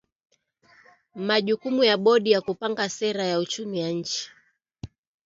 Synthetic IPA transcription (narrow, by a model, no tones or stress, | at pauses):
maʄukumujaɓɔɗijakupaŋɡasɛɾajaut͡ʃumijaɲ̩t͡ʃi̥